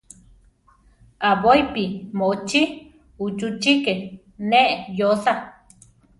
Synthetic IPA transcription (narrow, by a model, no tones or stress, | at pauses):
abojpimoʔt͡ʃi | ut͡ʃut͡ʃike | neʔjosa